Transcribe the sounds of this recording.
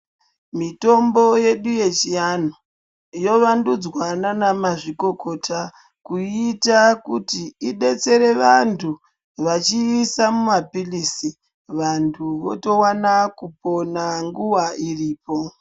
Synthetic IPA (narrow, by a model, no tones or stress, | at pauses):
mito̞mbo̞je̞ɗuje̞t͡ʃijano | jo̞ʋandud͡zwananamaʐiko̞ko̞tʰa | kuitakutiiɗe̞t͡se̞ɾe̞ʋantʰu | ʋat͡ʃiːsamumapilisi | ʋantʰuʋo̰to̞wanakupo̞naŋɡuwairiːpo̞